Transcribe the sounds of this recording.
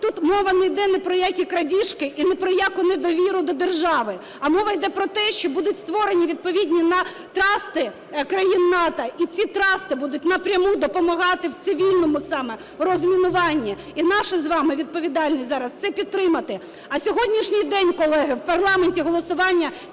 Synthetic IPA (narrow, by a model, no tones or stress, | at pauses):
t̪ut̪mɔʋɐnɛjd̪ɛnɛpɾɔjakʲikɾɐdʲiʃkɪʔinɛpɾɔjakʊnɛd̪ɔʋʲiɾʊd̪ɔd̪erʒɑʋɪ | ɐmɔʋɐjd̪ɛpɾɔt̪ɛʃt͡ʃɔbud̪ʊtʲst̪ʋɔɾenʲiʋʲid̪̚pɔʋʲidʲnʲinɐ | t̪ɾɑst̪ɪ | kɾɐjinːɑt̪ɐʔit͡sʲit̪ɾɑst̪ɪbud̪ʊt̚ʲnɐpɾʲɐmud̪ɔpɔmɐɦɑt̪ɪwt̪sɪʋʲilʲnɔmʊsɑmɛ | rɔzmʲinʊʋɑnʲːi | inɑʃɪzʋɑmɪʋʲid̪̚pɔʋʲid̪ɑlʲnʲizɑɾɐst̪sɛpʲidt̪̚t̪ːɾɪmɐt̪ɪ | ɐsʲɔɦɔdʲnʲiʃnʲɪjd̪ɛnʲkɔlˠɛɦɪwpɐrlˠɑmenʲtʲiɦɔlˠɔsʊʋɑnʲːɐ